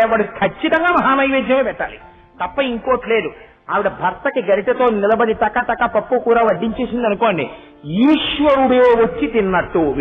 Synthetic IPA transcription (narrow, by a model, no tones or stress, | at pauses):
ɛʋːɐɽukʰɐt͡ʃːit̪ɐŋɡaːmɐɦaːnɐjʋeːd͡ʒ̪jɐmeːpɛʈːaːli | t̪ɐpːɐiŋkoːʈle̞ːd̪u | aːʋiɽɐbʱɐɾt̪ɐkiɡɐɾiʈɐt̪o̞ːnilɐbɐɽit̪ɐkːat̪ɐkːaːpɐpːukuːɾaːʋɐɖːiɲt͡ʃe̞ːsind̪ɐnukoːɳɖḭ | juːʂʋɐɾuɽɐjoːʋɐt͡ʃːit̪inːɐʈːuʋ